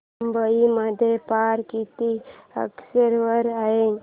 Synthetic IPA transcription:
mbəiməd̪ʱjepaɾkit̪iə̰ksəɾʋəɾaɦe

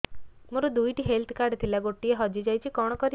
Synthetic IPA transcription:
muɾud̪ujʈiɦelt̪ʰkaɾɖt̪ʰilaɡoʈieɦɔd͡ʒid͡ʒajt͡ʃʰikɔɽ̃ɔkɔɾi

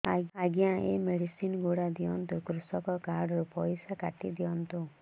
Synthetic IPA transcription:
aaɡjãʔemeɽisinɡoɽad̪iɔnt̪ukɾusɔkɔkaɾɽɾupɔjsakaʈid̪iɔnt̪u

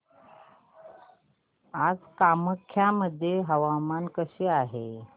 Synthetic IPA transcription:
ad͡zkaməkʰːjaməd̪ʱːjeɦəʋamankəɕeːaɦe

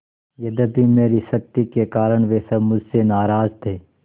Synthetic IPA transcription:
jɐd̪əbʱimeːɾisɐk̚t̪ikekaːɾəɽ̃ʋeːsɐbmʊd͡ʒʱsenaːɾaːzt̪ʰeː

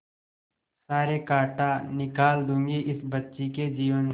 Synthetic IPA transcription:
saːɾekaːʈanɪkaːld̪ũːŋɡeʔɪsbətːʃiked͡ʒiːʋən

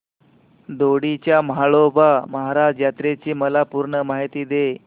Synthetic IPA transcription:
d̪oɽit͡ɕjamaɭobaməɦaɾajat̪ɾet͡ɕiːməlapuɾɳəmaɦit̪iːd̪e

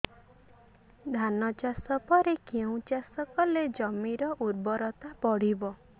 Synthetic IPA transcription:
d̪ʱanɔt͡ʃasɔpɔɾekeũt͡ʃasɔkɔled͡ʒɔmiɾɔʔuɾbɔɾɔt̪apɔɽ̤ibɔ

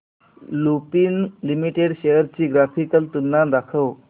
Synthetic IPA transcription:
lupiːnlimiʈeɽɕejəɾt͡ɕiːɡɾafikəlt̪unːad̪akʰəw

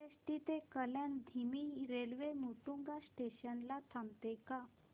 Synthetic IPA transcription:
esʈit̪ekəljãnd̪ʱimiɾelʋemuʈuŋɡasʈeɕənlat̪ʰamt̪eka

